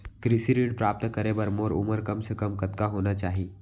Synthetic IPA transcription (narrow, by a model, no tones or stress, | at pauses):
kɾisiɾiɳɖpɾap̚t̪əkəɾebəɾmoːɾṵməɾkəmsekəmkət̪kaɦonat͡ʃaɦi